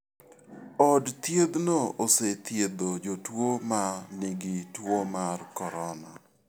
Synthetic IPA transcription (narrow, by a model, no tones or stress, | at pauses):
ɔdt̪jed̪nooset̪jed̪od͡ʒotwomanɪɡɪtwomarkɔɾɔna̰